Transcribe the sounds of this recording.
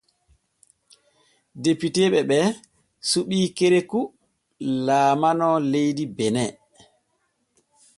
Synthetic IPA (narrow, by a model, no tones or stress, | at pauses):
depiteɓɛɓɛ | suɓiːkeɾeku | laːmanɔlejdibɛnɛ